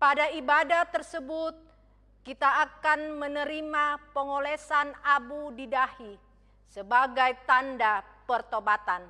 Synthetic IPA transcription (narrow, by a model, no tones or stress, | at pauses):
padaibadat̪ərsəbut̪̚ | kit̪aːkanmənəɾimapəŋolɛsanabudidahi | səbaɡajt̪anda | pərt̪obat̪an